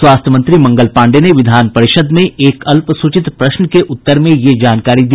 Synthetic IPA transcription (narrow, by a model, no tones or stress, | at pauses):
swaːst̪ʰəmɐ̃nt̪ɾimɐ̃ŋɡəlpãːɳɖeneʋɪd̪ʱaːnpɐɾɪʃəd̪mẽʔeːkɐlpsʊt͡ʃɪt̪pɾɐʃnəkeʔʊt̪ːəɾmẽjed͡ʒaːnkaːɾid̪iː